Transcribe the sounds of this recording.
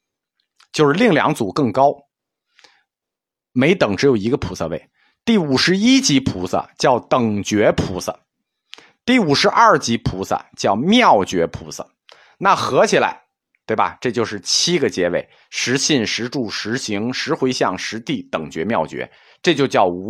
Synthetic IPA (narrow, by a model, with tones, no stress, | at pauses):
t͡ɕjo˥˧ʊʂɻ̩˥˧li˥˩ŋljɑ̰˧˥ŋt͡su˨˩kɤ˥˩ŋkɑ˥ʊ | me˧˥ɪt̪ɤ˨˩ŋʈ͡ʂɻ̩˧˥jo˨˩ʊi˧˥ɡə˧pʰu˧˥sə̰˥˧we˥˩ɪ | t̪i˥˩u˨˩ʂɻ̩˧˥i˥t͡ɕi˧˥pʰu˧˥sə̰˧t͡ɕjɑ˥˩ʊt̪ɤ˨˩ŋt͡ɕɥɛ˧˥pʰṵ˧˥sə̰˧˩ | t̪i˥˩u˨˩ʂɻ̩˧˥ʔɐ˥˩t͡ɕi˧˥pʰu˧˥sə̰˧t͡ɕjɑ˥˧ʊmjɑ˥˩ʊt͡ɕɥɛ˧˥pʰṵ˧˥sə̰˧ | na˥˩xɤ˧˥t͡ɕʰi˨˩la̰˧˥ɪ | t̪we˥˩ɪbɐ̰˩ʈ͡ʂɤ˥˧t͡ɕjo˥˧ʊʂɻ̩˥˩t͡ɕʰi˥ɡə˨t͡ɕjɛ˧˥we˥˩ɪ | ʂɻ̩˧˥ɕi˥˩nʂɻ̩˧˥ʈ͡ʂu˥˩ʂɻ̩˧˥ɕi˧˥ŋʂɻ̩˧˥xwe˧˥ɪɕjɑ˥˩ŋʂɻ̩˧˥t̪i˥˩t̪ɤ˨˩ŋt͡ɕɥɛ̰˧˥mjɑ˥˩ʊt͡ɕɥɛ̰˧˥ | ʈ͡ʂɤ˥˧t͡ɕjo˥˧ʊt͡ɕjɑ˥˩ʊ˧˥